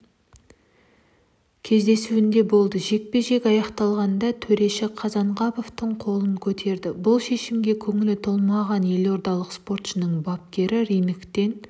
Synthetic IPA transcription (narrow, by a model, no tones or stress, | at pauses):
kʲʰe̞zd̪e̞suɪnd̪e̞bo̞lˠd̪əʒe̞k̚pe̞ʒe̞kʲɑjɑqt̪ɑlˠʁɑnd̪ɑt̪ʰɵɾe̞ʃɪqʰɑzɑɴʁɑpo̞ft̪əɴqʰo̞lˠəŋkʲʰɵt̪ʰe̞ɾd̪ɪbʊlˠʃe̞ʃɪmɡʲe̞kʲʰɵŋɪlɪt̪ʰolˠmɑʁɑnje̞lo̞ɾd̪ɑlˠəqspo̞rt̪ʃənəɴbɑp̚kʲe̞ɾɪɾijnɪkt̪e̞n